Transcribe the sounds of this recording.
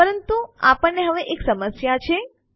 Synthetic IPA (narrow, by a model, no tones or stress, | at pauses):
pəɾənt̪uapəɳːeɦəʋeʔeksəməsjat͡ʃʰe